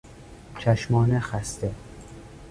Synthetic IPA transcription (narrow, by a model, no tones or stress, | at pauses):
t͡ʃʰæʃmɒːnexæst̪e